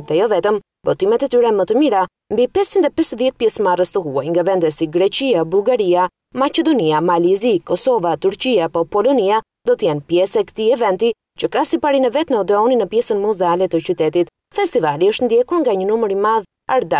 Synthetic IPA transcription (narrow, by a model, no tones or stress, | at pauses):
ðɛjɔvɛt̪əm | bɔt̪imɛt̪ɛt̪yɾɛmət̪əmiɾa | mbipɛst͡ʃind̪ɛpɛsðjɛt̪̚pjɛsmarəst̪əɦua̰jŋɡavɛnd̪ɛsiɡɾɛt͡ʃiabulˠɡaɾia | mat͡ʃɛd̪ɔniamalizikɔsɔvat̪uɾt͡ʃiapɔpɔlɔnia | d̪ɔt̪əjɛnpjɛsɛkt̪iɛvɛnt̪i | t͡ʃəkasipaɾinəvɛt̪nəɔd̪ɛɔninəpjɛsənmuzɛalɛt̪ət͡ɕyt̪ɛt̪it̪ | fɛst̪ivaliəʃt̪nd̪jɛkuɾŋɡaɲənuməɾimað | a̰ɾd̪a